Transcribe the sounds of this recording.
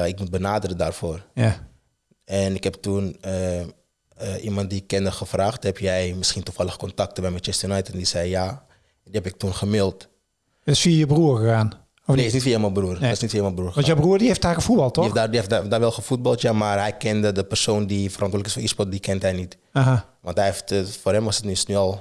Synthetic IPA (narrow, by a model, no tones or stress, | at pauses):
ɪk̚mut̚bənaːdərəda̰ːrfoːr | ɛnɪkɦɛptunə | ʔimɑnt̚dikːɪndəxəfraːxthɛpjɛjmɪsχintufaləxəkɔntak̚təbɛjmɛtɛstəjunajtəndisɛjja | diɛpɪk̚tunχəmɪlˠt | ətɪsfiəjəbruərxəxaːn | ɔfiɪs̬nitfijəməbruərɪsnitfiəjməbruərxəɔnjobruərdieftakəfut̚bɑlˠtefdadiefdaːʋɛlˠxəfut̚bɑlˠtjamaːrɦɛjkɛndədəpərsoːndifərʔɑ̃ntwoːdləkɪsfɔispɔt̚dikɛntɦɛjnit | aɦa | ʋɑ̃ntɦɛftfoːrɦɛmʋɔsətnisnyɔlˠ